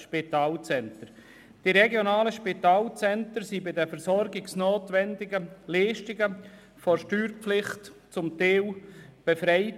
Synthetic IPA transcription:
ʃpitaːlt͡sɛntəɾ | d̥iɾɛɡjonaːləʃpitaːlt͡sɛntəɾsibɪdɛfɛɾsɔɾɡɪksnoːtʋɛndɪɡəliːʃtɪɡə | fɔɾʃtyːɾpflɪχtt͡sʊmteːwb̥efɾɛɪt

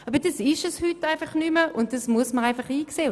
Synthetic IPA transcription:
ɑːbəd̥ɑsɪʃɛshytaɪfɑχnyməʔʊnt̚d̥ɑsmuəsməʁaɪfɑχiːkseː

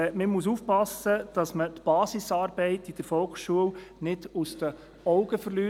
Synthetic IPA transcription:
məmus̬uːfpɑsəd̥ɑsmətb̥ɑːsisɑːɾbɛɪtid̥əɾfɔlksʃuəwnɪdusd̥̪ə | ɔʊɡəfəɾlyː

